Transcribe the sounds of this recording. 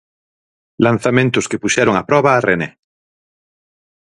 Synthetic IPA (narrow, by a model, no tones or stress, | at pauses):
lãn̟θamẽnt̪ʊskepuʃɛɾoŋapɾɔβaːrʔene